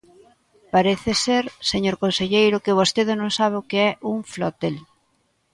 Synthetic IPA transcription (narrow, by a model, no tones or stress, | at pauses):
paɾeθɪseɾseɲoɾkonseʎejɾʊkɪβ̞ost̪eðɪnõŋsaβ̞ɪʊkeɛʔuŋflot̪el